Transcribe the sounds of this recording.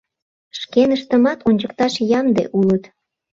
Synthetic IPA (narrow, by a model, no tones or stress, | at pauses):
ʃkenəʃt̪əmɑt̪onʲt͡ɕəkt̪ɑʃjɑmd̪ḛʔulət̪